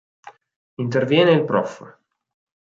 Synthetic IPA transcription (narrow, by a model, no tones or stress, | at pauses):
int̪ervjɛːneilpɾɔf